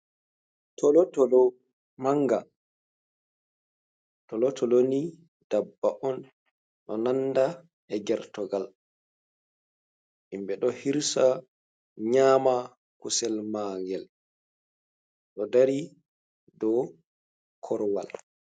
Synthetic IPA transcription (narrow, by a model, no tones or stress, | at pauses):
tʰɔlɔtɔlɔ | maŋːɡa | tɔlɔtʰɔloni | d̥abːaʔɔn | ɗɔnanːda | ɛɡɛɾtɔɡal | ʔimbɛɗɔhiɾsa | ɲaːma | kusɛlmaːŋɡɛl | ɗɔdaɾi | dɔ | kʰɔɾwa̰l